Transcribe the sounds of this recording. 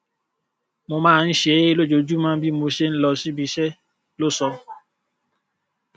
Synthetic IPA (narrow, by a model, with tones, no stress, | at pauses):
mo˧mãː˦˧n̩˦ʃe˨˦lo˦˨d͡ʒo˧d͡ʒu˦mã˦bi˦mo˧ʃe˦n̩˦lɔ˧si˦bi˧˦ʃɛ˦ | lo˦sɔ˧